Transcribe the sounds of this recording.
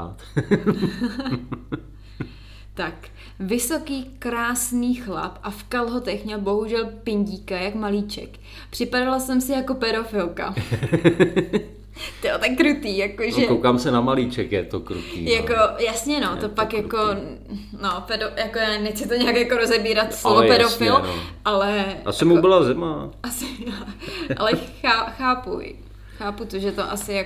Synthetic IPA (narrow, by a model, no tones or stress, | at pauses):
t̪ | t̪ak | vɪso̞kiːkɾaːsniːxla̰pʔafkalɦot̪ɛxmɲɛlbo̞ɦuʒɛlpɪɲɟiːkajakmaliːt͡ʃɛ̰k | pr̥ɪpadalasɛmsɪjako̞pɛdo̞fɪlka̰ | t̪ot̪akkːɾut̪iːjakoʒɛkowkaːmsɛnamaliːt͡ʃɛkjɛt̪okɾut̪ḭːjakojasɲɛnot̪opakjako̞ | nopɛdojakojaːnɛxt͡sɪt̪oɲɛakjakoɾozɛbiːɾat̪slovopɛdofɪl̰ʔalɛʔa̰sɪmubɪlazɛmaʔasɪ | ʔa̰lɛxaːxaːpṵ | xaːput̪oʒɛt̪oʔasɪjak